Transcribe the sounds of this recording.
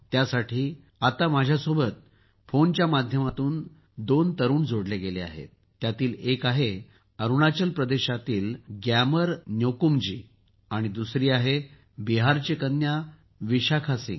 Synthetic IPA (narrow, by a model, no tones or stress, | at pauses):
t̪jasaʈʰiː | at̪amad͡ʑʱjasobət̪̚ | font͡ɕjamad̪ʱjəmat̪uːn | d̪ont̪əɾuːnd͡zoɽleɡelea̰ɦḛt̪̚ːjat̪iːlekaɦe | əɾuɽat͡ɕəlpɾəd̪eɕat̪iːlɡjaməɾnjokumd͡ʑḭː | aɽ̃id̪usɾiːaɦe | biɦaɾt͡ɕekənja | ʋiɕakʰasḭ̃